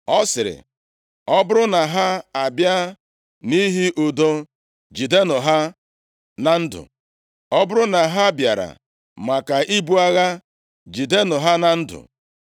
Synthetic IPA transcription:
ɔ˦sɪ˨ɾɪ̰˨ | ɔ˦bʊ˦ɾʊ˦na˨ɦa˦a˨bja˦ | ni˦ɦi˦ʔʊ˨do˦ | d͡ʒi˨de˦nʊ˨ɦa˦ | na˨n̩˦dʊ̰˨ | ɔ˦bʊ˦ɾʊ˦na˨ɦa˦bja˨ɾa̰˨ | ma˨ka˨ʔi˦bu˦a˦ɣa˦ | d͡ʒi˨de˦nʊ˨ɦa˦na˨n̩˦dʊ̰˨

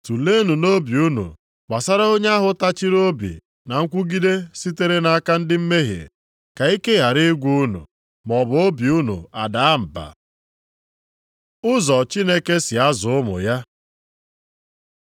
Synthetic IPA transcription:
tu˨le˦nu˨no˦bi˨u˦nṵ˨ | k͡pa˨sa˦ɾa˦o˦ɲ˦a˦ɦʊ˨ta˦t͡ʃi˦ɾo˦bḭ˨ | na˨ŋ̩˦kʷu˦ɡi˦de˦si˦te˦ɾe˦na˨˦ka˦n̩˦dɪ˦m̩˦me˦ɦjḛ˨ | ka˨i˦ke˦ja˨ɾi˦ɡʷu˦u˦nṵ˨ | mɔ˨bʊ˨o˦bi˨u˦nṵ˨a˨da˨a˦m̩˨ba̰˨ | ʊ˦zɔ˨t͡ʃi˦ne˦ke˦sɪ˨a˦zʊ˨ʊ˦mʊ̰˨ja˦

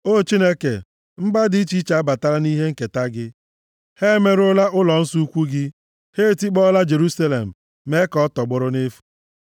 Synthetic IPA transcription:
o˦˨t͡ʃi˦ne˦kḛ˨ | m̩˦ɡ͡ba˦di˦t͡ʃi˦t͡ʃa˨a˦ba˨ta˦ɾa˦ni˦ɦe˦ŋ̩˨ke˨ta˦ɡɪ˦ | he˦me˦ɾʊ˦la˦ʔʊ˦lɔ˨n̩˦su˦u˦kʷu˦ɡɪ˦ | he˦˨ti˦k͡pɔ˦la˦d͡ʒe˨ɾu˦sa˦lḛ˨m̩˨ | me˦kɔ˦tɔ˨ɡ͡bʊ˨˦ɾʊ˦ne˦fu̥˨

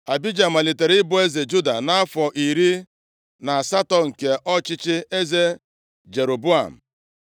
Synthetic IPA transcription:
a˨bi˦d͡ʒa˨m̩˨a˨li˨te˨ɾɪ˦bʊ˨e˦ze˨d͡ʒu˦da˨na˦a˦fɔ˨ʔi˨ɾi˦ | na˨a˨sa˦tɔ˨ŋ̩˨ke˨ʔɔ˦t͡ʃɪ˦t͡ʃɪ˦e˦ze˦ | d͡ʒe˨ɾo˨bu˦a̰˨m̩˨

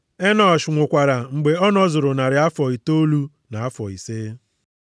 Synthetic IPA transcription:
e˦nɔ˨ʃʊ˨ŋʷʊ˨kʷa˨ɾa˨ŋ͡m̩˨ɡ͡be˨ɔ˦nɔ˦zʊ˨ɾʊ˨na˨ɾɪ˨a˦fɔ˨i˨to˦lu˦ | na˨a˦fɔ˨ḭ˨seː˦

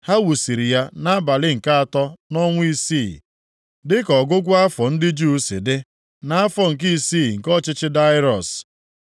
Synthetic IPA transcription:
ha˦wu˨si˨ɾi˨ja˦na˦a˦ba˨lɪ˦ŋ̩˨ka˦a˨tɔ˦nɔ˦ŋʷʊ˦i˦si˦˨ | dɪ˦kɔ˨ɡʊ˦ɡʷʊ˦a˦fɔ˨n̩˦dɪ˦d͡ʒu˦si˨dɪ˦ | na˨a˦fɔ˨ŋ̩˨k̬i˦siː˦˨ŋ̩˨kɔ˦t͡ʃɪ˦t͡ʃɪ˦da˦ɪ˦ɾɔ˨s

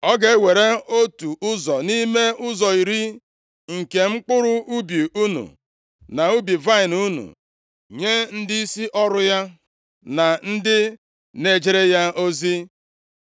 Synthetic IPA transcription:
ɔ˦ɡe˨˦we˨ɾe˦o˦tu˨ʔʊ˦zɔ˨ni˦me˦ʊ˦zɔ˨i˨ɾi˦ | ŋ̩˨ke˨ŋ͡m̩˦k͡pʊ˦ɾʊ˦u˦bi˨u˦nṵ˨ | na˨u˦bi˨va˦ɪ˨nu˦nṵ˨ | ɲe˦n̩˦di˦i˦si˦ʔɔ˦ɾʊ˦ja˦ | na˨n̩˦dɪ˦ | ne˦˨d͡ʒe˦ɾe˦ja˦o˦zi˦

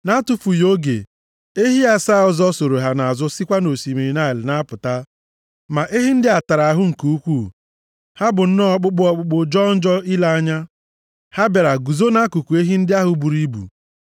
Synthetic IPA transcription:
na˦tʊ˨fu˨jo˦ɡḛ˨ | e˦ɦi˦a˦saː˦˨ɔ˨zɔ˦so˨ɾo˨ɦa˦na˨a˨zʊ˦si˦kʷa˦no˨si˨mi˨ɾi˨na˦˨ɪ˨lɪ˨na˦pʊ˨ta˦ | ma˨ʔe˦ɦi˦n̩˦dɪ˦a˨ta˨ɾa˨a˨ɦʊ˦ŋ̩˨ku˨u˦kʷu˦˨ | ha˦bʊ˨n̩˦nɔ˦k͡pʊ˦k͡pʊ˦ɔ˨k͡pʊ˨k͡po˨d͡ʒɔ˦n̩˦d͡ʒɔ˦i˦la˦a˦ɲa˦ | ha˦ba˨ɾa˨ɡu˨zo˦na˦ku˨ku˨e˦ɦi˦n̩˦dɪ˦a˦ɦʊ˨bu˨ɾi˦bṵ˨

